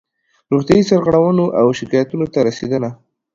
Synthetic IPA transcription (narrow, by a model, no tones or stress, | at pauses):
ɾuχt̪jajisaɾɣaɽawənoʔawʃɪkajat̪unot̪aɾased̪əna